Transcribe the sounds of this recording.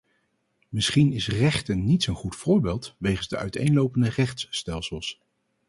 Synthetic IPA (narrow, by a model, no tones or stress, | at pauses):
mɪsχinɪsrɛχtənːitsənχutfʊːɹbeːlˠtʋejχənzdəʔœ̰ɥtejnlowpəndərɛχtsːtɛlˠsəlˠs